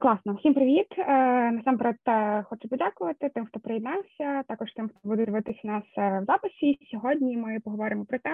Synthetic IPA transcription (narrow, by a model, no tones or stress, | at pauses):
klˠɑsnɔsʲimpɾɪʋʲit̪ːnɐsɑmpeɾɛt̪xɔt͡ʃʊpɔdʲakʊʋɐt̪ɪt̪ɪmxt̪ɔpɾejɪd̪nɑlˠsʲɐt̪ɑkɔʃt̪ɪmxt̪ɔbud̪ɛd̪ɪʋɪt̪ɪsʲɐnɑswzɑpɪsʲisʲɔɦɔdʲnʲimɪpɔɦɔʋɔɾɪmɔpɾɔt̪ɛ